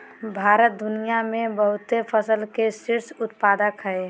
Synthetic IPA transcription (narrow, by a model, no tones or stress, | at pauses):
bʱaːɾət̪̚d̪ʊnijamẽbəɦʊt̪epʰəsəlkesɪɾsʊt̪paːd̪əkɦɛe